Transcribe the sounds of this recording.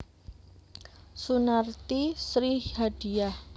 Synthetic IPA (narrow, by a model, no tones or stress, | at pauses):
sunart̪isɾihhad̥i̤jah